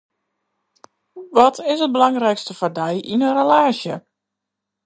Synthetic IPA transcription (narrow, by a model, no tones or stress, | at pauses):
ʋɔtʰɪsət̚bəlɑŋrɛjkstəfɔrdɛjʔinənrəlaːsjə